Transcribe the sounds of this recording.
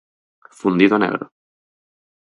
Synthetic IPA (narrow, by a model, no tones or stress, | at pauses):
fund̪iðonḛɣɾo̰